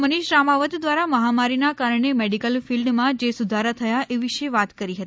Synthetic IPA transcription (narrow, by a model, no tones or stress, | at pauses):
məniʃɾamaʋət̪d̪ʋaɾaməɦamaɾinakaɾəɳemeɽikəlfilɖmãd͡ʒesud̪ʱaɾat̪ʰəjaʔeʋiʃeʋat̪kəɾiɦət̪i